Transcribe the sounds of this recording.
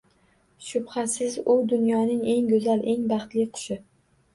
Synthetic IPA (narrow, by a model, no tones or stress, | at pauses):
ʃʊbhasɪzʊd̪ʊnjɒnɪŋe̞ŋɡɵzalʔe̞ŋbɑχt̪lɪqʰʊ̥ʃɪ